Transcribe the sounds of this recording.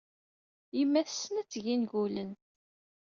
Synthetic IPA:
imːæθəsːənæt͡sːʝinɡulən

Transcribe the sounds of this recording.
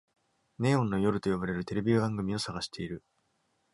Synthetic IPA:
ne̞ːõ̞nːo̞jo̞ɾɯ̟t̪o̞jobaɾe̞ɾɯ̟t̪e̞ɾe̞bʲiobãŋɡɯ̟mʲio̞saɡaɕi̥t̪e̞iɾɯ̟

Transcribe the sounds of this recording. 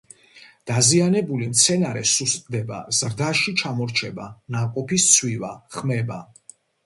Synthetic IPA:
d̪̥azianɛbulimt̪sʰɛnaɾɛsust̪ʼd̪ɛba̰z̥ɾd̪aʃit͡ʃʰamɔɾt͡ʃʰɛbanaqʼɔpʰist̪sʰwivaχmɛba

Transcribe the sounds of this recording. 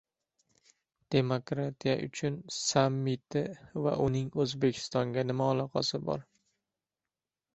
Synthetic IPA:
d̪̥e̞mokɾat̪ʰija̰ʔʊ̰t͡ʃʰʊnsamːɪt̪ʰɪva̰ʔʊnɪŋɵzbe̞kʲʰɪ̥st̪ɒŋɡʲanɪmaːlˠɒqʰɑsɪbɒ̰ɾ

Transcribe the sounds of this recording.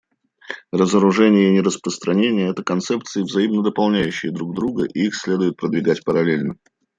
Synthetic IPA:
rəzəɾʊʐɛnʲɪjəɪnʲɪɾəspɾəst̪ɾɐnʲenʲɪjəɛt̪əkɐnt̪sɛp̚t̪sɨɪvzɐimnəd̪əpɐlˠnʲæjʉɕːɪjəd̪ɾuɡ̚d̪ɾuɡə̰ʔiixsʲlʲe̞d̪ʊjɪt̪̚pɾəd̪vʲɪɡatʲpəɾɐlʲelʲnə

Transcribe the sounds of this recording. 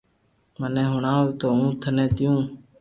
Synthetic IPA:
mənẽːɦʊɳãːuːt̪oːũːt̪ʰənẽːt̪ɪjũː

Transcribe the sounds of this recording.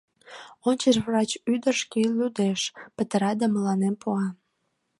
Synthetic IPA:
ont͡ɕeʃβrɑt͡ɕyd̪əʃkillʲud̪eʃpət̪əɾɑd̪ɑməlɑnempuɑ

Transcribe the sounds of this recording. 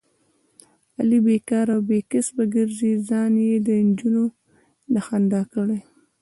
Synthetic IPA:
alibekɑɾawbekɪsbəɡəɾzizɑnjed̪ənd͡ʒuno | naxand̪ɑkəɽaj

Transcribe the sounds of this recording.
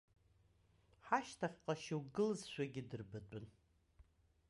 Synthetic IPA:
ħaʃtʰaχʲqʼaʃɪwɡɨlɨzʃʷᶣaɡʲɪdɨrbɨtʷʼʊn

